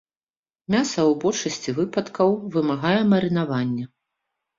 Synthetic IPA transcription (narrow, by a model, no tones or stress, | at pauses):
mʲasɐwbɔt͡ʂɐsʲt͡sʲivɨpɐt̪kɐwvɨmaɣajɛmɐɾɨnavanʲːɐ